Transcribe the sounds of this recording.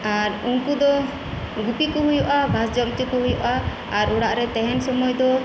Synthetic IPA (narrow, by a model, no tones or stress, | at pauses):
aɾunkud̪ɔ | ɡut̪ikɔɦujɔʔabʱasd͡ʒɔmt͡ʃ̪ikɔɦujɔʔa | aɾuɽaʔɾɛt̪ɛɦɛnsɔmɔjd̪ɔ